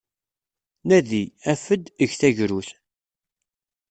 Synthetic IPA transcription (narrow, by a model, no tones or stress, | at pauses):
næðiæfəd̪əʝθæʝɾuθ